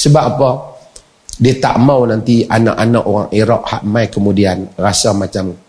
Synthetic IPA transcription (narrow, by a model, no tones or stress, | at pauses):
səbaʔapɔ | diət̪a̰ʔmawnant̪iana̰ʔanaʔoɣaŋiɾɔʔ̚ha̰ʔmajkəmudianrasamat͡ʃam